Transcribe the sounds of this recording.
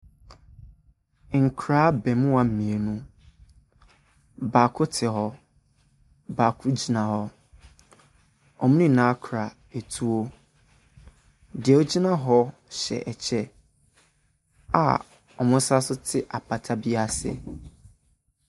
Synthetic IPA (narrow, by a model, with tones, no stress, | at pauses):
ŋ̩˨kʰɾaː˦bɛ˨mʊ̃˦a˨m̩˨mĩ˨e˨nũ˦ | baː˨kʰʊ˦tʰɪ˨ɦɔ˦ | baː˨kʰʊ˦d͡ʑi˨nã˨hɔ˦ | ɔ˨m̃˦ĩ˦˨nã˦kʰɾa˨ | e˨tʰu˦o˦ | dɪ˨ɛ˨ɔ˦d͡ʑi˦nã˦ɦɔ˦ɕɛ̰˨ʔɛ˨t͡ɕʰɛ˦ | a̰˨ | ɔ˨mʊ̃˦sa˦sʊ˦tʰɪ˦ʔa˨pʰa˨tʰa˦bi˦a˦sɪ̰˦